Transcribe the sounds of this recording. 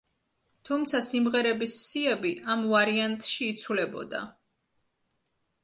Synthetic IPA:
t̪ʰumt̪sʰasimʁɛɾɛbisːiɛbiʔamvaɾiant̪ʼʃiːt̪sʰwlɛbɔ̰d̪a̰

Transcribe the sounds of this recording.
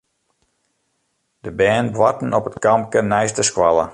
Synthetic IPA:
d̥əbɛːnbwatən̩ɔpətkɑmkənɛjstəskwalə̰

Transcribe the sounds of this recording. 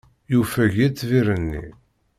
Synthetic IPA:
jufæʝit͡sːviɾənːḭ

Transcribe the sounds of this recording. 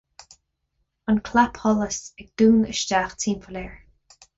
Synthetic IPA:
ənkʰlapʰhɔləsɪɡ̚d̪̥uːnə̰ʃtaːxtʰiːmfəlɛːɹ

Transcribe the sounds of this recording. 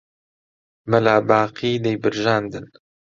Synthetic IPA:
mɐlaːbaːqiːd̪ejbɨɾʒaːnd̪ɨn

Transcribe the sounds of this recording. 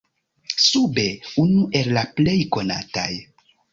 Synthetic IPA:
sube̞unuʔe̞lːaple̞jko̞na̰ta̰j

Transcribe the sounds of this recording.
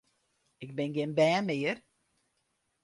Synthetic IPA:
ɪk̚bɪnɡɪnbɛːnmɪːər

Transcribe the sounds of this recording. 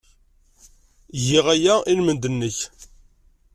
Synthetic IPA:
ʝiʁæjæʔilmənd̪ənːəç

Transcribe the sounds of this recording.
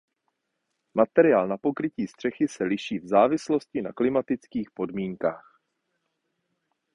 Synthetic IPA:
mat̪ɛɾɪjaːlnapo̞kɾɪciːst̪r̥ɛxɪsɛlɪʃiːvzaːvɪslo̞scɪnaklɪmat̪ɪt͡skiːxpo̞dmiːŋkaːx

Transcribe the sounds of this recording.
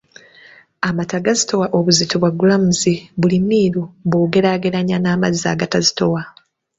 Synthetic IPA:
amataɡazito̞waʔoβuzitoβwaɡulamuziβulimːiːɾuβoːɡe̞ɾaːɡe̞ɾaɲanaːmaza̰ɡatazito̞wa

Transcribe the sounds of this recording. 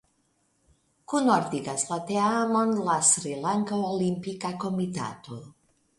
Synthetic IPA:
kunɔɾd̪iɡaslat̪eamonlasɾilaŋkaolimpikakomit̪a̰t̪o

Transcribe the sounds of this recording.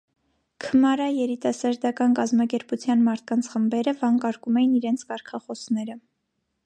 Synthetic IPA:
kʰəmɑɾɑjɛɾit̪ɑsɑɾd̪ɑkɑnkɑzmɑkɛɾput͡sʰjɑnmɑɾt̪̚ʰkɑnt͡sʰχəmbɛɾəvɑŋkɑɾkumɛjiniɾɛnt͡sʰkɑɾkʰɑχɔsnɛɾə

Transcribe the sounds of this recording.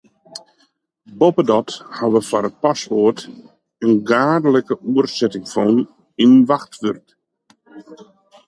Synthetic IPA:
bopədɔthaʋəfaɾət̚pasʋoərt | ənɡaːdələkəuərsɛtɪŋfɔn | inʋaxtʋørt

